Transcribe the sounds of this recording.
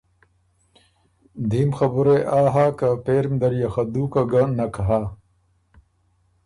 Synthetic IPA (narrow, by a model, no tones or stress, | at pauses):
d̪ʱiːmxɐbuɾeʔaːɦaːkapeːɾmd̪ɐɾjaxɐd̪ukaɡanɐkɐɦaː